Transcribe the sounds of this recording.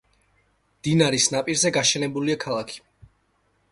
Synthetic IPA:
d̪̥inaɾisnapʼiɾzɛɡaʃɛnɛbuliakʰalˠakʰi̥

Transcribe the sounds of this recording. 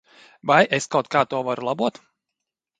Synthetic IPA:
vajʔeskawt̪̚kaːt̪uɔvaɾulˠabuɔt̪

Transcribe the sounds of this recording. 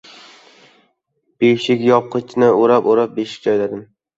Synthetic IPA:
b̥eʃɪkʲjɒp̚qʰɨt͡ʃʰnɪoɾapoɾap̚beʃɪ̥k̚ʲt͡ʃɒjd̪ad̪ɪm

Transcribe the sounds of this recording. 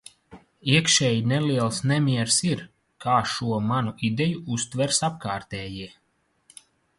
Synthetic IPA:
iɛkʃɛːjinɛliɛlˠsnɛmʲiɛɾsiɾ | kʰaːʃuɔmanuʔid̪ʲɛjuust̪vɛɾsap̚kaːɾt̪ɛːjiɛ

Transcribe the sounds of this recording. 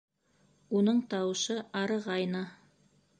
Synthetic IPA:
unɤɴt̪ɑwɤ̆ʃɤɑɾɤ̆ʁɑjnɑ

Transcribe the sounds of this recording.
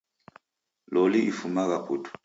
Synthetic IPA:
lɔliʔifumaɣakʰutʰu̥

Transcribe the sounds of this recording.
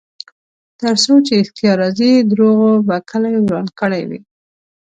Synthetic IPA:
t̪əɾsot͡ʃeɪxt̪ijɑɾɑzid̪ɾoɣobakʰəlajwɾɑnd̪kəɽa̰jwḭ

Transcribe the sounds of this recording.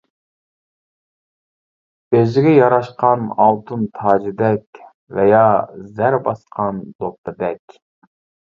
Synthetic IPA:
bezɪɡʲɛjɑɾɑʃqɑnɑlˠt̪ʰɨnt̪ʰɑːd͡ʒɪd̪ɛkʲ | vɛjɑzæɾbɑsqʰɑnd̪op̚t̪ʰɨd̪ɛkʲ

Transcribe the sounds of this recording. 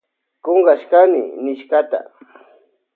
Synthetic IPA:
koŋɢaʃkanɪ̰nɪʃkat̪a̰

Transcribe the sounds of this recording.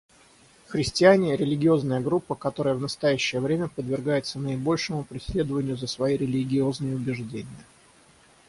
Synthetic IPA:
xɾʲɪsʲtʲɪanʲɪɾʲɪlʲɪɡʲɪo̞znəjəɡɾupːəkɐt̪o̞ɾəjəvnəst̪ɐjæɕːɪjəvɾʲemʲəpəd̪vʲɪrɡajɪt̪sənəɪbo̞lʲʂɨmʊpɾʲɪsʲlʲe̞d̪əvənʲɪjʊzəsvɐjiɾʲɪlʲɪɡʲɪo̞znəjəʊbʲɪʐdʲenʲɪjə

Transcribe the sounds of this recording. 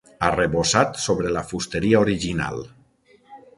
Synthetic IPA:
areβosat̪soβɾelafust̪eɾiaoɾiʒina̰lˠ

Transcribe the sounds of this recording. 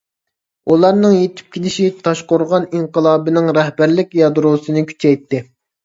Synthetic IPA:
ulˠɑɾnɨŋjet̪ʰy̥p̚kʲʰelɪʃit̪ʰɑʃqʊɾʁɑniɴqəlˠɑːbɪnɪŋɾɛhbæɾlɪkʲjɑd̪ɾosɨnɨkʲʰy̥t͡ʃʰɛjt̪ːɪ

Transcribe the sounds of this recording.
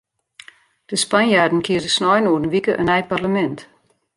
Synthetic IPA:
d̥əspanjardn̩kʰiədəsnɔjnoːdən̩ʋikəʔənɛjparləmɛnt

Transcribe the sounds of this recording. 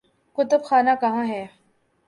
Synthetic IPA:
kʊt̪ʊbxaːnakɐɦãɦɛː

